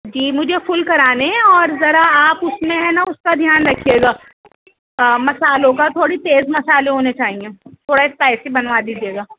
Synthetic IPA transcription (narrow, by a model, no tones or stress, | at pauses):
d͡ʒiːmʊd͡ʒʱefʊlkɐɾaːneɛ̃ɔːɾzɐɾaaːpʊsmẽɦɛnaʊskad̪ʱjaːnɾɐkʰijeːɡaː | mɐsaːlõkat̪ʰoːɽit̪eːzmɐsaːleɦoːnet͡ʃaːɦiẽːt̪ʰoːɽaespɛːsibɐnʋad̪iːd͡ʒieːɡaː